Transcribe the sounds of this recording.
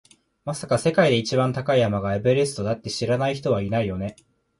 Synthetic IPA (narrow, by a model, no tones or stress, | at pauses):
masakase̞kaid̪e̞it͡ɕibãnt̪akaijamaɡaebe̞ɾesɨ̥t̪o̞d̪at̪ːe̞ɕiɾanaiçi̥t̪o̞βainaijo̞ne̞